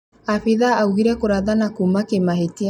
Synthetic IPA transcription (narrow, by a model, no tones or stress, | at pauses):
aɸeðaːuɣiɾɛkoɾaðanakumakemaɦetia